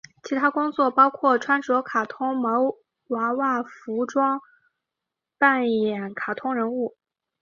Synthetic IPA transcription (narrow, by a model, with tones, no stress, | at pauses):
t͡ɕʰi˧˥t̪ʰa˥kʊ˥ŋt͡swɔ˥˩pɑ˥ʊkʰwɔ˥˩ʈ͡ʂʰwa˥nʈ͡ʂɔ˧˥kʰa˨˩t̪ʰʊ˥ŋmo˧˥ʊ | wa˧˥wa˥˩fu˧˥ʈ͡ʂwɑ˥ŋ | pa˥˩njɛ˨˩˥nkʰa˨˩t̪ʰʊ˥ŋɻə˧˥nu˥˩